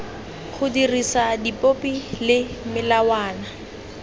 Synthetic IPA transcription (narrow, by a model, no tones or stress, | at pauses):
χʰʊdirisadipʼopʼilɪmɪlawaːna